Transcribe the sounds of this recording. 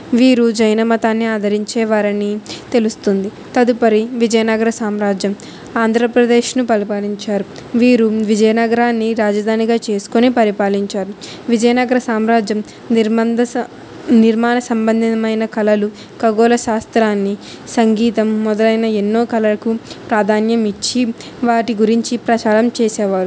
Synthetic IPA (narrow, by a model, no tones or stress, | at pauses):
ʋiːɾud͡ʒɐjnɐmɐt̪aːnːiaːd̪ʱɐɾiɲt͡ʃɛːʋaːɾɐnit̪e̞lust̪und̪i | t̪ɐd̪upɐɾiʋid͡ʒɐjɐnɐɡɐɾɐsaːmɾaːd͡ʒjɐm | aːnd̪ʱɾɐpɾɐd̪e̞ːʃnupɐɾipaːliɲt͡ʃaːɾu | ʋiːɾuʋid͡ʒɐjɐnɐɡɐɾaːnːiɾaːd͡ʒɐd̪ʱaːniɡaːt͡ʃe̞ːsu̥konipɐɾipaːliɲt͡ʃaːɾu | ʋid͡ʒɐjɐnɐɡɐɾɐsaːmɾaːd͡ʒjɐm | ɐd̪ | niɾmaːnɐsɐmbɐnd̪ʱiɐmɐjnɐkɐlɐlu | kɐɡoːlɐʃaːst̪ɾaːnːi | sɐŋɡiːt̪ɐmːɔd̪ɐlɐjnɐenːo̞ːkɐlɐɐkupɾaːd̪ʱaːnjɐmit͡ʃːi | ʋaːʈiɡuɾiɲt͡ʃipɾɐt͡ʃaːɾɐmt͡ʃeːsɛːʋaːɾu